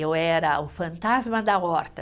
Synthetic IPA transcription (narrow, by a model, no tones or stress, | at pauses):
ewɛɾɐʊfɐ̃nt̪azmɐd̪ɐɔɾt̪ɐ